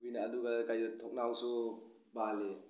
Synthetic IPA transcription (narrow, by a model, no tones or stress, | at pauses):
ujnaːduɡakajdɔtʰɔk̚nawsu | bale